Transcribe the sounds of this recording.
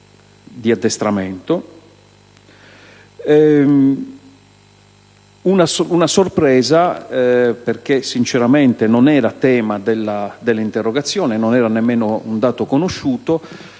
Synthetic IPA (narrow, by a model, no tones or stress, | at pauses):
d̪iad̪ːest̪ɾamɛnt̪o | ɛ | unaunasorpɾɛːza | perk̟esint͡ʃɛɾamɛnt̪enonɛːɾat̪ɛːmad̪ɛlːad̪elːaint̪erːɔɡat̪sːjɔːnenonɛːɾanemːɛːnound̪aːt̪okonoʃːuːt̪o